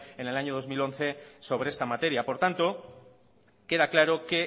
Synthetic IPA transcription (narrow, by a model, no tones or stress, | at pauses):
e̞ne̞laɲo̞ð̞o̞zmilo̞nθe̞so̞βɾeest̪amat̪e̞ɾjapo̞ɾt̪ant̪o̞ | ke̞ðaklaɾo̞ke̞